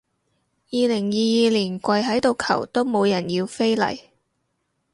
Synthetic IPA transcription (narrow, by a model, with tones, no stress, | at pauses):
jiː˨˧lɪ˨˩ŋjiː˨jiː˨˧liː˨˩nkʷɐ˧jɦɐ˨˥jt̪o˨wkʰɐ̰˨˩wt̪o˥wmo˨˧wjɐ˨˩njiː˧wfe˥jlɐ̰˨˩j